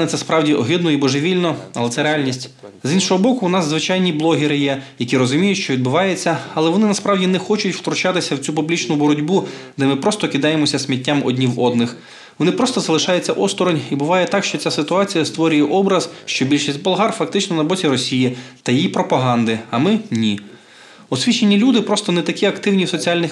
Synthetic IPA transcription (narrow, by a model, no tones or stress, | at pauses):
nɪt̪sɛspɾɑwdʲiʔɔɦɪd̪nɔibɔʒeʋʲilʲnɔɐlˠɛt̪ɛɾeɑlʲnʲisʲtʲzinʃɔɦɔbɔkʊːnɑszʋɪt͡ʃɑjnʲiblˠɔɦʲɪɾɪjɛjɐkʲiɾɔzʊmʲijʊtʲʃt͡ʃɔʋʲid̪̚bʊʋɑjet͡sʲːɐɐlˠɛʋɔnɪnɐspɾɑwdʲinɛxɔt͡ʃʊtʲwt̪ɾʊt͡ʃɑt̪ɪsʲɐwt͡sʲupʊblʲit͡ʃnʊbɔɾɔdʲbud̪ɛmɪpɾɔst̪ɔkɪd̪ɑjemɔsʲɐsʲmʲitʲːamɔ̰dʲnʲiwɔd̪nɪx | ʋɔnɪpɾɔst̪ɔzɐlˠɪʃɑjet͡sʲːɐʔɔst̪ɔɾɔnʲibʊʋɑjɛt̪ɑkʃt͡ʃɔt͡sʲasɪt̪ʊɑt͡sʲijɐst̪ʋɔɾʲʊjɛʔɔbɾɐz̥ʃt͡ʃɔbʲilʲʃisʲtʲbɔlˠɦɑrfɐk̚t̪ɪt͡ʃnɔnɐbɔtʲiɾɔsʲijit̪ɐjijipɾɔpɐɦɑnd̪ɪɐmɪnʲi | ɔsʲʋʲit͡ʃenʲːilʲud̪ɪpɾɔst̪ɔnɛt̪ɐkʲiɐkt̪ɪwnʲiwsɔt͡sʲialʲnɪx